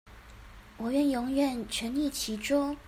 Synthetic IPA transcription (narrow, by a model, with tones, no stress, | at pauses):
wɔ˨˩ɥɛ˧˥njʊ˧˥ŋɥɛ˨˩nt͡ɕʰɥɛ˧˥nli˥˩t͡ɕʰi˧˥ʈ͡ʂɔ˥